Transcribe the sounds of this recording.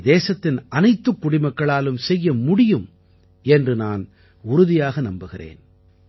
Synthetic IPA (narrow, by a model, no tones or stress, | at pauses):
d̪eːsɐt̪ːɪnʔɐnɐɪt̪ːɯkːʊɽɪmɐkːɐɭaːlɯmsɛjːɐmʊɽɪjɯm | ɛndrɯnaːn | ʊɾʊðɪjaːɣɐnɐmbɯɣɪrḛːn